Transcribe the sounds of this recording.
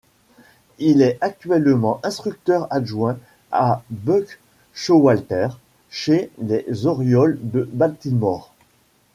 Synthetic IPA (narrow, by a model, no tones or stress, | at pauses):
ilɛak̚t̪ɥɛlmɑ̃ʔɛ̃st̪χyk̚t̪œʁaʒwɛ̃ | abøk | ʃowalt̪ɛʁ | ʃelezɔʁjɔld̪əbalt̪ilmɔʁ